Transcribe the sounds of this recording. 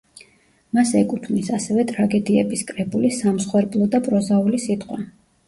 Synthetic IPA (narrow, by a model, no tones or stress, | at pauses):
masɛkʼut̪ʰmisasɛvɛt̪ʼɾaɡɛd̪iɛbiskʼɾɛbulisːamsχwɛɾblˠɔd̪apʼɾɔzaulisit̪ʼqʼwa